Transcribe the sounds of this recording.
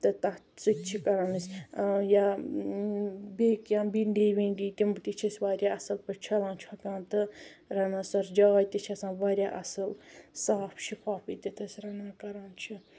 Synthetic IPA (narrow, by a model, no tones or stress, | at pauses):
t̪ɨt̪ɐ | t͡sɨt̪ʲt͡ʃʰikɐɾanɨsʲja | beːkjãːbiɳɖiːʋiɳɖiːt̪imt̪it͡ʃʰisʋaːɾʲjaɐsɨlpɨt͡ʃʰɐlãːnt͡ʃʰiɐkãːnt̪ɨɾɐnaːsɐɾd͡ʒaːjt̪it͡ʃʰiɐsãːnʋaːɾʲjaːʔɐ̰sɨlsaːpʰʃʰikaːfit̪it̪ɨsɾɐnaːkɐɾaːnt͡ʃʰi